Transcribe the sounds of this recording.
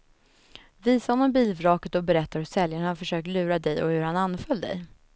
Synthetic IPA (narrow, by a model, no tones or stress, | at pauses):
viːsahɔnɔmbiːlvɾɑːkət̪ɔbɛɾɛt̪ːaɾhɵsɛljaɳaɔfœʂøːk̚t̪lʉ̟ːɾad̪ɛjɔ̰hɵɾhananːfœld̪ɛ̰j